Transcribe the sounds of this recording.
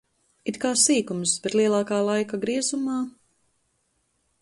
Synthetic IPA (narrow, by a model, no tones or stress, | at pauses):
it̪kaːsiːkumsb̥et̪liɛlˠɑːkaːlˠajkaɡɾiɛzumaː